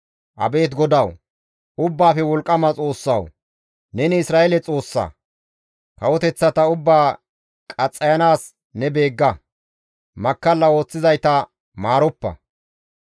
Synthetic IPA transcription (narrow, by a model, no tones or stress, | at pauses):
ʔɐ̰be̞ːt̪ɡɔd̪ɐw | ʊbːaːfɛwɔlkʼːɐmɐt͡sʼo̞ːsːɐ̰w | nɛnɪɪsɾaːelɛt͡sʼo̞ːsːɐ̰ | kɐwɔt̪ɛt͡sːɐt̪ɐʊbːaː | kʼɐt͡sʼːɐjɐnaːs | nɛbe̞ːɡːɐ | mɐkːɐlːɐo̞ːt͡sːɪzɐjt̪ɐ | maːɾɔpːɐ̰